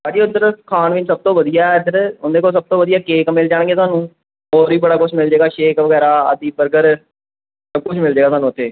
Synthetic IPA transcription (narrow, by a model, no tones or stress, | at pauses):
saːɖiːʊt̪ːəɾəkʰaːnʋɪnsəb̚t̪õːʋəd̪ijaːd̪əɾʊnd̪eːkoːsəb̚t̪õːʋəd̪ijaːkeːkmɪld͡ʒaːɽ̃ɡeːt̪ʊɦaːnũː | oːɾiːbəɽaːkʊt͡ʃʰmɪld͡ʒeːɡaːʃeːkʋəɡɛːɾaːəd̪iːbəɾɡəɾ | səb̚kʊt͡ʃʰmɪld͡ʒeːɡaːoaːnũːət̪ʰːeː